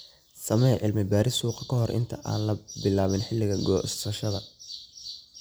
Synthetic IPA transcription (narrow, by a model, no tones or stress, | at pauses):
sɐmɛʔɪlmɪbaːɾɪsuːqɑkʰɐɦɔrʔɪ̰nt̪ʰɐʔa̰ːnlɐbɪlaːβɪnħɪlːɪɣɐɡɔ̰ːsɐʃɐðɐ